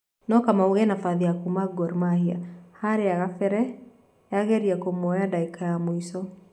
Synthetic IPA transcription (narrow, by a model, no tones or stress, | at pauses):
nɔkamauɣɛnafaðiakumaɡɔɾmahia̰haɾeaɣafɛɾɛ | jaɣɛɾiakomɔjadaikajamwisɔ